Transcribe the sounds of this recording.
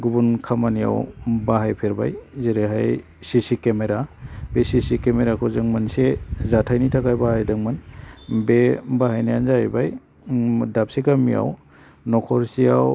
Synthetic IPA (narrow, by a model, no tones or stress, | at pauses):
ɡubunkʰamanija̰wbaɦajpʰeɾba̰jzeɾeɦaj | sisikemeɾabesisikemeɾakʰɔzɯŋmansezatʰajnitʰakajbahajdɯŋmanbebahajnajanzajbaj | dap̚siɡamija̰w | nɔkʰɔɾsija̰w